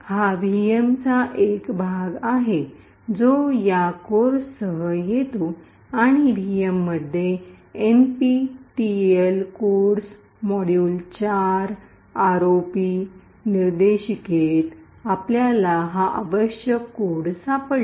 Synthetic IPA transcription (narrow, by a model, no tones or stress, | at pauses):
haʋʱijemt͡saʔekbʱaɡaɦe | d͡zojakoɾsəɦəjet̪o | aɽ̃iʋʱijemːəd̪ʱːje | enpiʈielkoɽs | mɔɽjult͡ɕaɾ | aɾopi | niɾd̪eɕiket̪ | apljalaɦaʔa̰ʋəɕjəkːoɽsapəɭ